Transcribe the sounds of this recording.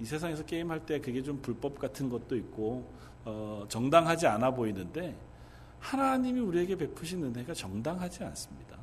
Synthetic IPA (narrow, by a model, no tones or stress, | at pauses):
isʰe̞s̬ʰaŋe̞sʰʌk͈e̞imɦaɭt͈e̞kɯɡe̞t͡ɕompuɭp͈ʌp̚k͈atʰɯnɡʌt̚t͈oit̚k͈o | ʌt͡ɕʌŋdaŋɦad͡ʑianaboinɯnde̞ | hanaɲimiuɾie̞ɡe̞pe̞pʰuɕʰinɯnɦe̞ɡat͡ɕʌŋdaŋɦad͡ʑia̰ns͈ɯ̥mɲida